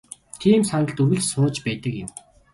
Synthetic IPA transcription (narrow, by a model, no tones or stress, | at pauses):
t̪ʰiːmsanə̆ɮt̪uɣɘ̆ɮsʊːt͡ɕpæːt̪ə̆kjɪ̰̆m